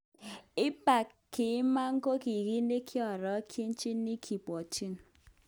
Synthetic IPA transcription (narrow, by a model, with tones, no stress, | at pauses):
i˦pa˨ | kːi˨˦ma˦ŋ̩˦ko˦ki˨ɣi˦ne˦kʰi˦ɔ˨ɾɔ˨˦kʰi˦n̩˦t͡ʃi˦nː˦i˦kʰi˨pɔ˨t͡ʃi˦n˨